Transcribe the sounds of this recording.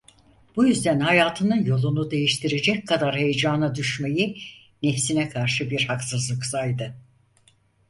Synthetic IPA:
b̥ujyzd̪ænhajaːt̪ʰɯnɯnjo̞lˠunud̪e̞jiʃt̪ʰiɾed͡ʒɛc̚kʰad̪aɾhe̞jed͡ʒaːnad̪yʃme̞ji | nefsinɛkʰaɾʃɯbiɾhaksɯzlˠɯksajd̪ɯ

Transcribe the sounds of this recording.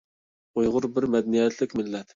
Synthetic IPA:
ujʁʊɾbɪɾmɛd̪ɛnijɛt̪ʰlɪkʲmɪlːɛt̪

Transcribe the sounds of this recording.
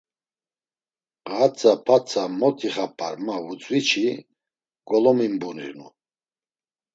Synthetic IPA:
qat͡sʰapʰat͡sʰamɔt̪ʰiχapʰʼa̰ɾmavut͡sʼwit͡ʃʰi | ɡ̥ɔlɔmimbunḭɾnu

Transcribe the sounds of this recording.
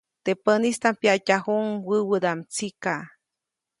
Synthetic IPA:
t̪epənist̪ampjacaɦuŋwəwəd̪amt͡sika

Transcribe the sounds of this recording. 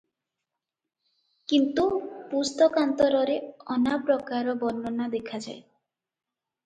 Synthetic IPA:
kint̪upust̪ɔkant̪ɔɾɔɾeɔnapɾɔkaɾɔbɔnːɔnad̪ekʰad͡ʒae

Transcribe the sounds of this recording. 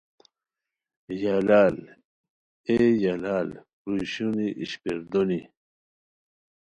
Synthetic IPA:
jalaːl | ejalaːl | ɾuɕuniʔiɕpiɾd̪oni

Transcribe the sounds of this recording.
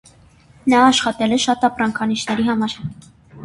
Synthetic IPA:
nɑːʃχɑt̪ɛlɛʃɑt̪ɑprɑŋkʰɑniʃnɛɾiɦɑmɑɾ

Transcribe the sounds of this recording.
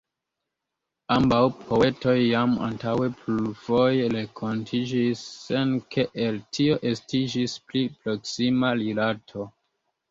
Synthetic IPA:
ambawpʰo̞e̞to̞jːama̰ntawe̞pluvo̞jeɾe̞kʰo̞ntʰid͡ʒisːe̞nkʰe̞ʔeltʰio̞ʔe̞stid͡ʒisplipɾo̞ksimalilatʰo̞

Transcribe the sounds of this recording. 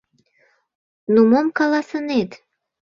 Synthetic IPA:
numomkɑlɑsənet̪

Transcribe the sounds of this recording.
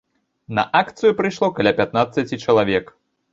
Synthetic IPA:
nɐ̰ʔakt̪sɨjupɾɨʂlˠɔkalʲapʲat̪̚nat̪sːɐt͡sʲit͡ʂɐlˠavʲɛk

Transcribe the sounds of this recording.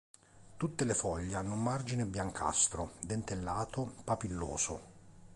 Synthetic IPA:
t̪ut̪ːelefɔʎːanːumːard͡ʒinebjaŋkʰa̰st̪ɾod̪ent̪elːaːt̪opapilːo̰ːzo̰

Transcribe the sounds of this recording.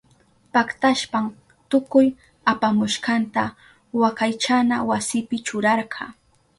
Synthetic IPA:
pakt̪aʃpam | t̪ʊkʊj | apamʊʃqɑnt̪a | wakajt͡ʃanawasɪpɪt͡ʃʊɾɑɾɢɑː

